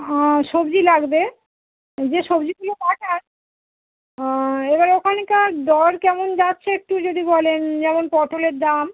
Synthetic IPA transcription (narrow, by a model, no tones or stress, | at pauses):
ɔ̃ʃobd͡ʑilaɡbe | d͡ʑeʃobd͡ʑiɡulop̪aʈaɾ | ebaɾeokʰanekaɾd̪ɔɾkɛmond͡ʑatːɕʰeek̚ʈud͡ʑod̪ibɔlend͡ʑɛmonpɔʈoleɾd̪am